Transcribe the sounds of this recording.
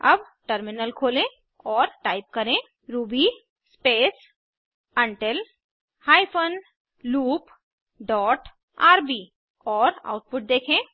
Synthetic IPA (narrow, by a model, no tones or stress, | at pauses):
ɐb | ʈəɾmɪnəlkʰoːlẽ | ɔːɾʈaːɪp̚kɐɾẽ | ɾuːbi | speːs | ɐ̃ɳʈel | haːipʰən | luːp | ɖɔːʈ | aːɾbiː | ɔːɾa̰ːʊʈ̚pʊʈ̚d̪eːkʰẽ